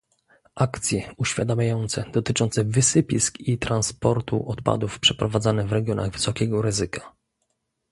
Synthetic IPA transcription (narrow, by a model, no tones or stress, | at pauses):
ʔakt̪sʲjɛuɕfʲad̪amʲajɔnt̪sɛd̪̥ɔt̪ɘt͡ʂɔ̃nt̪sɛvɘsɘpʲiskit̪ɾanspɔɾt̪ṵʔɔt̪pa̰d̪ufpʂɛpɾɔvad̪zanɛvɾɛɡʲjɔna̰ɣvɘsɔkʲɛɡɔɾɘzɘkʰḁ